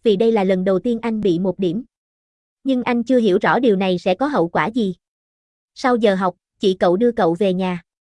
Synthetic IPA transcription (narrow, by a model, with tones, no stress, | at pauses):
vi˨˩ɗə˧jlaː˨˩lə˨˩nɗə˨˩wt̪i˧ənʔa˧jŋ̟ɓḭ˧˨mo˨˩t̚ɗi˧˩əm | ɲɨ˧ŋʔa˧jŋ̟t͡ɕɨ˧əɦḭ˧˩əwzɔ̰˧˥ɗi˨˩əwna˨˩jsɛ̰˧˥kɔ˨˦ɦə̰˧˨wkwaː˧˩zi˨˩ | sa˧wzəː˨˩ɦa˨˩wk͡p̚t͡ɕḭ˧˩kə̰˧˨wɗɨ˧əkə̰˧˨wve˨˩ɲaː˨˩